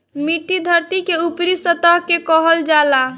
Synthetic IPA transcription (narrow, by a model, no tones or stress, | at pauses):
miʈid̪ʱəɾt̪ikeupɾisət̪əɦkekɔɦəld͡ʒala